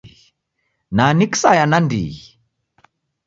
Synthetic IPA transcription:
naniksajanandḭi

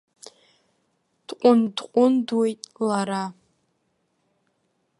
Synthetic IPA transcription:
d̥qʷʼʊndqʷʼʊndwejtʼlaɾa

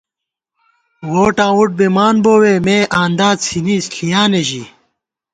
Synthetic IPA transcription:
woːʈãːuʈ̚bemaːnboːweːmeːʔaːnd̪aːsʰiniːsɬijaːneʑi

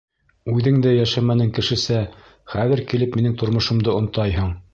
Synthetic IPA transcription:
ʉðɘŋd̪æjæʃæmænɘŋkɘ̆ʃɘ̆sæ | χæðɘ̆ɾkilɘpminɘŋt̪ŏɾmŏʃŏmd̪ɤŏnt̪ɑjɦɤɴ

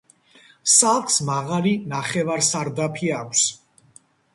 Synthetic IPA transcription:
salˠχʰsmaʁalinaχɛvaɾsaɾd̪apʰiakʷʰs

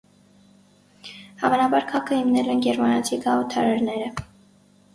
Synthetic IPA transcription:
hɑ̰vɑnɑbɑɾkʰɑkəhimnɛlɛnɡɛɾmɑnɑt͡s̪ʰikɑɔt̪ʰɑɾɑɾnɛɾə

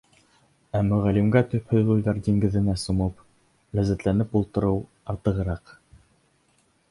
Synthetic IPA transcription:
æmɵ̆ʁælimɡæt̪ɵ̆phɵðujðɑɾd̪ʲiŋɡɘ̆ðɘ̆næsŏmɤp | læzæt̪lænɘpulˠt̪ɤ̆ɾɤw | ɑɾt̪ɤ̆ʁɤ̆ɾɑq

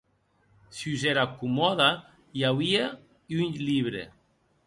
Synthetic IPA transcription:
siuzeɾakumɔða | jawβia | yɲʎiβɾḛ

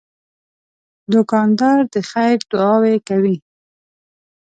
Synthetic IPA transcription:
d̪ʊkɑnd̪ɑɾd̪əxajɾd̪ʊɑwekawi

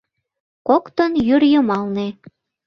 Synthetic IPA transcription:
kokt̪ənjyrjəmɑlne

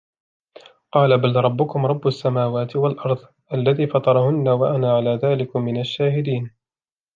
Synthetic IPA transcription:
qɑːlabalɾˤɑbːʊkʊmɾˤɑbːʊasːamaːwaːt̪ɪwalʔɑɾˤðˤ | ʔalːaðiːfɑt̪ˤɑɾˤɑhʊnːawaʔanaʕalaːðaːlɪkʊmːɪnaʃːaːhɪd̪iːn

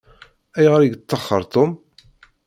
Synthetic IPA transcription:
æjʁəɾiɡt̪ˤːɑχːə̰ɾˤt̪ˤom

